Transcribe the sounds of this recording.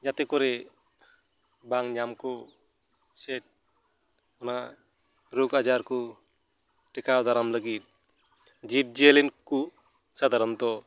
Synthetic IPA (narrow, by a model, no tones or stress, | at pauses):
d͡ʒat̪ɛkɔɾɛ | baŋɲamkɔ | sɛʈ̚ | ɔna | ɾukad͡ʒaɾkɔ | ʈɛkawd̪aɾamləɡit̪̚ | d͡ʒip̚d͡ʒielinkuʔ | sad̪ʱaɾɔnt̪ɔ